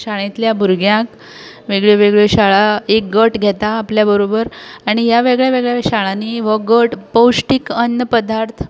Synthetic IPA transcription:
ɕaɭ̃ẽt̪ljabʱuɾɡjãk | ʋeɡɭeʋeɡɭeɕaɭaek̚ɡəʈɡʱet̪aːpljabəɾobəɾaɽ̃ijaʋeɡɭjaʋeɡɭjaɕaɭaniʋəɡəʈpəwʂʈikənːəpəd̪ʱaɾt̪ʰ

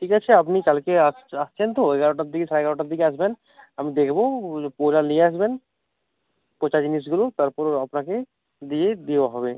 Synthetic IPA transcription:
ʈʰiːkat͡ʃʰeɐp̬nikɐlkeast͡ʃʰent̪oɛɡaɾoʈad̪ikesaɾaeɡaɾoʈad̪ikeasben | əmĩd̪ekʰbopoːlanieasben | pɔt͡ʃad͡ʒinis̬ɡʊlot̪əɾpɔɾɐpnake | d̪ied̪eʋaɦɔbe

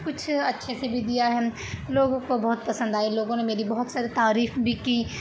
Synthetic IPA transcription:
kʊt͡ʃʰɐtːʃʰesebʱid̪ijaɦɛ | loːɡõkobɔɦʊt̪̚pɐsə̃nd̪aːiloːɡõnemeːɾibɐɦʊt̪saːɾit̪aːɾiːxbʱikiː

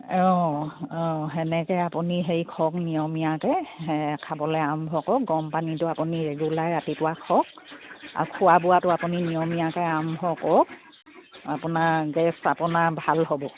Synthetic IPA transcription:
ɔ | ɔɦɛnɛkɛapuniɦejkʰɔknijɔmijakɛkʰabɔlɛambʱɔkɔk̚ɡɔmpanitʊapuniɹɛɡulajɹatipʊwakʰɔk̚ | a̰ɹukʰʊwabʊwatʊapuninijɔmijakɛambʱɔkɔk | apʊnaɹɡɛsapʊnaɹbʱalɦobɔ

